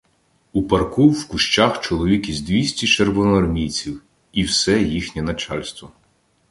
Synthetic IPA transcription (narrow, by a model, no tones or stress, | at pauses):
upɐrkuːwkʊʃt͡ʃaxt͡ʃɔlˠɔʋʲikʲizʲd̪ʋʲisʲtʲit͡ʃerʋɔnɔɐrmʲijt͡sʲiw | iwsɛjixnʲɛnɐt͡ʃɑlʲst̪ʋɔ